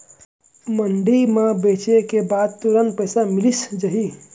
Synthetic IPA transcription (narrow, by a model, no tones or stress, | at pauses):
məɳɖimãbet͡ʃekebad̪̚t̪uɾən̚pəjsamilisd͡ʒəɦi